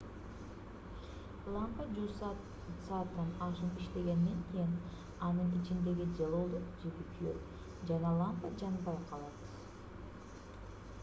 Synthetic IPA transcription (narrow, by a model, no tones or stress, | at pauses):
lˠampəd͡ʒus | sat̪ːɑnɑʃɯnpiʃt̪e̞ɡʲe̞nːent̪ʲʰen | ɑnɯɴit͡ʃind̪e̞ɡʲid͡ʒɑlˠolˠd̪uqd͡ʒeb̪ykʰyjø̰ɾ | d͡ʒɑnɑlˠampad͡ʒɑnbɑjqʰɑlˠɑβɯz̥